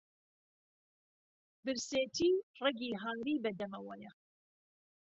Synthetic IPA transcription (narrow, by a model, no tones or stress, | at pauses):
bɨɾseːt̪ʰiːreɡiːɦaːŋɾiːbɐd̪ɐmɐwɐjɐ